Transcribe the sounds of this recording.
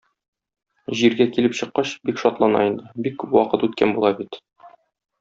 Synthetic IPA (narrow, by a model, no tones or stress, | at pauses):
ʑiɾɡækilɘpɕɤ̆qːɑɕbikʃɒt̪lˠɑnɑ̰ind̪ɘbikːʉpwɒqɤt̪ʉt̪kænbulˠɑbit̪